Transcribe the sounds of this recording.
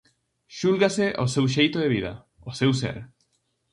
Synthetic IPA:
ʃulɣaseʔosewʃ̬ejt̪oðeβiða̰ | osews̬ḛɾ

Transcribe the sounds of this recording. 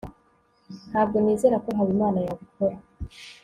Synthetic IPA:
hab̚ɡo̞niːze̞ːɾakoɦaβimaːnajaɡukoɾa

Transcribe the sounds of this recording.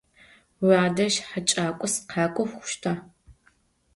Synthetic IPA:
waːdɐʃħat͡ʃʼaːkʷʼʊsqaːkʷʼɔxʷʊ̥ʃtʰa

